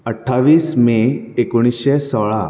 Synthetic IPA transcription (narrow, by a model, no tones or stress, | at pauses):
əʈʰːaʋiːsmẽekoɽ̃iɕesɔɭa